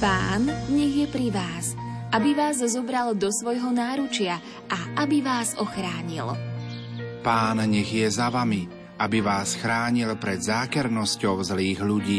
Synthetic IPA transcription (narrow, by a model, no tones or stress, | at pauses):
paːnɲɛɣjɛpɾiʋaːs | ʔabiʋaːzzɔbɾald̪ɔsʋɔjɦɔnaːɾut͡ʃɪa | ʔaʔabiʋaːzɔxɾaːɲḭl | paːnɲɛɣjɛzaʋami | ʔabiʋaːsxɾaːɲilpɾɛd̪zaːkɛɾnɔscɔʊzliːɣʎuɟiː